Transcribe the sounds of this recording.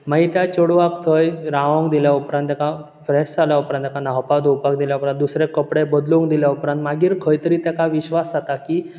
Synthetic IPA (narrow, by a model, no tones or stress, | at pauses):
maɦit̪jat͡ɕɔɽʋakt̪ʰəjɾãʋə̃ŋɡd̪iljaupɾãnt̪aka | fɾɛst͡saljaupɾãnt̪jakanaɦpad̪ʱopakd̪iljaupɾãnt̪̚d̪usɾekəpɽebəd̪luŋɡd̪iljaupɾãnt̪maɡiːɾkʰəjt̪əɾiːt̪jakaʋiɕʋasat̪aki